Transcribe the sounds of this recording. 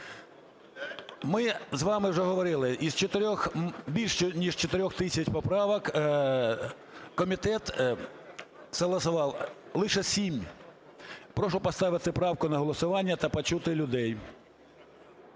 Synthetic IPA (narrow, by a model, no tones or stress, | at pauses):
mɪzʋɑmɪwʐɛɦɔʋɔɾɪlˠɪʔizt͡ʃɔt̪ɪɾʲɔxbʲilʲʃt͡ʃɔnʲiʐt͡ʃɔt̪ɪɾʲɔxt̪ɪsʲɐt͡ʃʲpɔpɾɑʋɐk | kɔmʲit̪ɛt̪ | sɐlˠɐsʊʋɑw | lˠɪʃɛsʲimʲ | pɾɔʃʊpɐst̪ɑʋɪt̪ɪpɾɑwkʊnɐɦɔlˠɔsʊʋɑnʲːɐt̪ɐpɐt͡ʃut̪ɪlʲʊd̪ɛj